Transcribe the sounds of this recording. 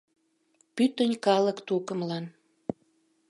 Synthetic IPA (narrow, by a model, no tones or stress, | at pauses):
pyt̪ənʲkɑləkt̪ukə̆mlɑn